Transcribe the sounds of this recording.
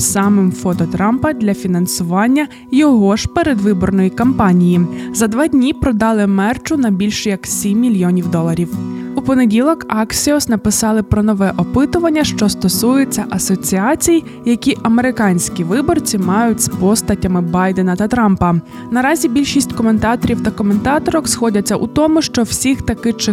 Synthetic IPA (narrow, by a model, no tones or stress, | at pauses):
sɑmɪmfɔt̪ɔt̪ɾɑmpɐd̪ʲlʲɐfʲinɐnsʊʋɑnʲːɐ | jɔɦɔʒpeɾed̪ʋɪbɔrnɔjikɐmpɑnʲijizɐd̪ʋɑdʲnʲipɾɔd̪ɑlˠɪmɛrt͡ʃʊnɐbʲilʲʃjɐksʲimʲːilʲjɔnʲiwd̪ɔlˠɐɾʲiwupɔne̞dʲilˠɔkɑksʲiɔsnɐpɪsɑlˠɪpɾɔnɔʋɛʔɔpɪt̪ʊʋɐnʲːɐʃt͡ʃɔst̪ɔsujet͡sʲːɐʔɐsɔt͡sʲiɑt͡sʲij | jɐkʲiʔɐme̞ɾɪkɑnʲsʲkʲiʋɪbɔrt͡sʲimɑjʊtʲspɔst̪ɐtʲɐmɪbɑjd̪enɐt̪ɐt̪ɾɑmpɐ | nɐɾɑzʲibʲilʲʃisʲtʲkɔme̞nt̪ɑt̪ɔɾʲiwt̪ɐkɔme̞nt̪ɑt̪ɔɾɔxsxɔdʲɐt͡sʲːɐʔut̪ɔmʊʃt͡ʃɔwsʲixt̪ɐkɪt͡ʃɪ